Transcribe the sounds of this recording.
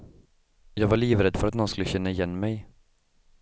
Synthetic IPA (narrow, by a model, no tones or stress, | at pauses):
jɑːɡvaɭiːvɾɛd̪fœɾat̪nɔnskɵlːəɕɛnːaɪjɛnːmɛj